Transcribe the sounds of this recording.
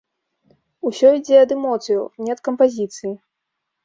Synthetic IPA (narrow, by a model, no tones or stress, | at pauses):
usʲɔid͡zʲɛɐd̪ɛmɔt̪sɨjunʲɛɐt̪̚kɐmpazʲit̪sɨji